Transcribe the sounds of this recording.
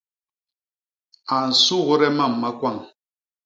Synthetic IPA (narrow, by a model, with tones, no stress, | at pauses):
a˨n̩˨su˦ɣɾɛ˦ma˦˨mː˨a˦kwa˦˨ŋ